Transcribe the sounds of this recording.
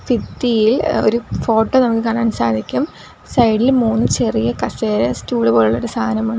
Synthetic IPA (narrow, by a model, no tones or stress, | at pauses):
fit̪ːijilo̞̰ɾufo̞ːʈːoːnɐmukːɨkaːɳːaːnsaːd̪ʱikʲːum | sɐjɖilmuːnːɨt͡ɕe̞rijɐkɐseːɾestuːɭubo̞ːɭuɭːɐoɾust̪ʰaːnɐmuɳɖɨ